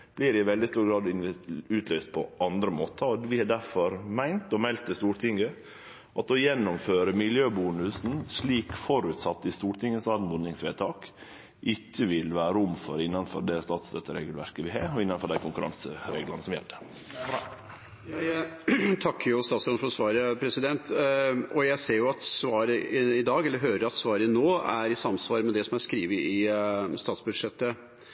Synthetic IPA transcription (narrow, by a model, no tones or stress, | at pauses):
b̥liːɾɪʋɛld̪ɪst̪uːɾɡɾɑːd̪ɪnʉːt̪ʰlœʏst̪̚pʰɔʔɑnd̪ɾəmoːt̪ʰəɔʋɪhɑɖæɾfɔɾmæɪnt̪ɔmɛlt̪əst̪uːɾʈ̪ʰɪŋɡə | ʔɑt̪ɔjɛnːʊmføːɾəmɪljøːbuːnʉsn̩ʂɭiːkfɔɾʉt̪sɑt̪ːɪst̪uːɾʈ̪ʰɪŋːəsɑːd̪nʊnɪŋsʋeːt̪ʰɑːk | ʔɪkːəʋɪlʋæːɾəʊmːfɔɾɪnːɑnfɔɾd̪ɛst̪ɑːt̪st̪øt̪ːəɾeːɡəlʋæɾkəʋɪɦɑːɔɪnːɑnfɔɖ̪æɪkʰʊŋkʉɾɑ̰nsəɾeːɡlənəsɔmjɛ̰lɖ̪ə | jjæt̪ʰɑkːəɾjʊst̪ɑːt̪sɾɑnfɔɾsʋɑːɾəpʰɾɛsɪd̪ɛnt̪ʔɔjæɪseːɾjʊɑt̪sʋɑːɾəɪd̪ɑːɡɛlːəɾɦøːɾəɾɑt̪sʋɑːɾənoːæɾɪsɑmsʋɑːɾəmɛd̪ɛsɔmæɾskɾiːʋəʔɪst̪ɑːt̪sbʉd̪ʂɛt̪ːə